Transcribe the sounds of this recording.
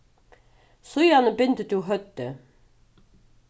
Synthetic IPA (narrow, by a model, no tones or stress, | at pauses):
sʊjɑnəbʏnt̪ət̪juɦœt̪ːə